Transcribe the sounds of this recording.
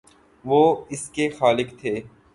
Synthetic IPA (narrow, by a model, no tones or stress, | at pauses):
ʋoːɪskexaːlɪkt̪ʰeː